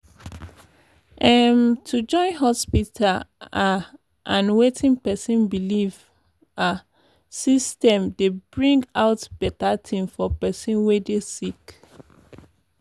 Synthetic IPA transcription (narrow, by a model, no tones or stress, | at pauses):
ʔɛmtʰud͡ʒɔ̃ɪ̃nɦɔspitʰala | ʔãnwetʰĩnpɛsĩnbiliv | a | sistɛ̃mdebɹĩŋɡaʊtb̥ɛtatʰĩmfɔpɛsĩnwedesik